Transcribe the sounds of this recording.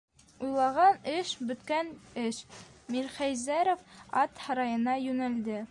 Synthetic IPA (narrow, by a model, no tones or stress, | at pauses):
ujlˠɑʁɑnɘʃbɵ̆t̪kænɘʃmiɾχæjzæɾofɑt̪hɑɾɑjɤ̆nɑjʉnæld̪ɘ